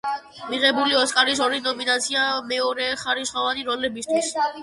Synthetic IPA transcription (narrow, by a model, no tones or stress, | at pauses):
miʁɛbuliɔskʼaɾisɔɾinɔminat̪sʰiamɛɔɾɛχaɾisχɔvaniɾɔlɛbist̪ʰwis